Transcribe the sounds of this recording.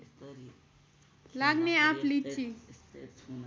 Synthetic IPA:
laɡneapʰlit͡ʃi

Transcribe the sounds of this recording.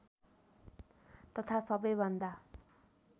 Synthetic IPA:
t̪ʌt̪ʰasʌbʌjbʌnd̪a

